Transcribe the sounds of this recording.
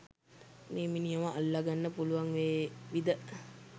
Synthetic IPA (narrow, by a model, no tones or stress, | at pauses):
neːminijəməʔalːaɡanːəpuluʋaŋʋeːʋid̪ə